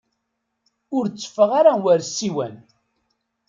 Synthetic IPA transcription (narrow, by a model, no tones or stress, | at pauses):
ʊɾt͡sːə̥fəʁaɾawæɾsiwæ̰n